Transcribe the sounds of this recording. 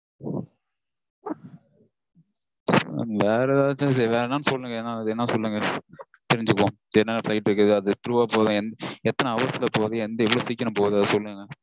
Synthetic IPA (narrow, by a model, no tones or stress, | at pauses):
ɐ̰nʋeːɾɛðaːt͡ʃːɐseɾʋeːɾɛnaːnɯsɔlːɯŋɡɐɛnːãːɐðɛnːɐsɔlːɯŋɡɐ | t̪ɪɾɪɲd͡ʒɯkːõː | ɛnːɐnɐflɐɪʈːɪɾɯkːɐðɯɐðɯt̪ɪɾuʋaːpoːðʊ̃ɛnɛt̪ːɐnɐɐʋɐslɐpoːðɯ̃ɛnd̪ɐɪʋːɐɭoːsiːkːɐɾɐmpoːðɯɐðɯsɔlːɯːŋɡɐ